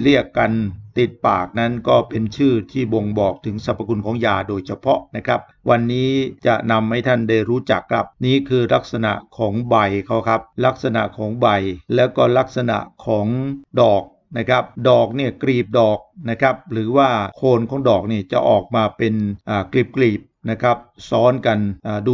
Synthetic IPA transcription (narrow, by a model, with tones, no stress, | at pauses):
ɾi˥˩əkːa˧nt̪i˨˩t̪̚paː˨˩k̚na˦˥nkɔː˥˩pe˧nt͡ɕʰɯː˥˩t̪ʰiː˥˩bo˧ŋbɔː˨˩k̚t̪ʰɯ˩˦ŋsa˨˦˩p̚ʰːa˧ku˧nkʰɔː˩˦ŋjaː˧doː˧jt͡ɕʰa˧pʰɔ˦˥ʔna˦˥kʰa˦˥p̚wa˧nːiː˦˥t͡ɕa̰˨˩na˧mha˥˩jt̪ʰa˥˩nda˥˩jɾuː˦˥t͡ɕa˨˩kʰːɾa˦˥p̚niː˦˥kʰɯː˧la˦˥k̚sa˧na̰˨˩ʔkʰɔː˩˦ŋba˧jkʰa˦˥wkʰa˦˥p̚la˦˥k̚sa˧na̰˨˩ʔkʰɔː˩˦ŋba˧jlɛː˦˥wkɔː˥˩la˦˥k̚sa˧na̰˨˩ʔkʰɔː˩˦ŋdɔː˨˩k̚ | na˦˥kʰa˦˥p̚dɔː˨˩k̚ni˥˩ɐkɾiː˨˩p̚dɔː˨˩k̚na˦˥kʰa˦˥p̚ɾɯː˩˦waː˥˩kʰoː˧nkʰɔː˩˦ŋdɔː˨˩k̚niː˥˩t͡ɕa̰˨˩ʔɔː˨˩k̚maː˧pe˧nʔaː˨˩kli˦˨˩p̚kliː˨˩p̚na˦˥kʰa˦˥p̚sɔː˦˥nka˧nʔaː˨˩du˧